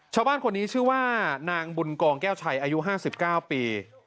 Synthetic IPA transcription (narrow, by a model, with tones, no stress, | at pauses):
t͡ɕʰaː˧˩wbaː˥˩nkʰo˧nːiː˦˥t͡ɕʰɯ˥˩waː˥˩naː˧ŋbu˧nkɔː˧ŋkɛː˥˩wt͡ɕʰa˧˩jʔaː˧ju˦˥ɦaː˥˩si˨˩p̚kaː˥˩wpiː˧